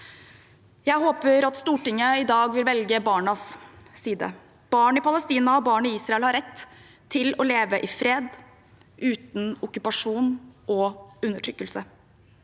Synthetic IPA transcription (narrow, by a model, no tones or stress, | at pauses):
jæɪɦoːpəɾɑt̪st̪uːʈɪŋːəɪd̪ɑːɡʋɪlʋɛlɡəbɑːɳɑssiːd̪ə̰ | b̥ɑːɳɪpɑləst̪iːnɑɔbɑːɳɪiːsɾɑɛlhɑɾɛt̪ʰː | ɪlɔleːʋəʔɪfɾeːd̪ | ʔʉːt̪n̩ʊkʉpɑʂuːnʔɔʉnːəʈʰɾʏkːəlsə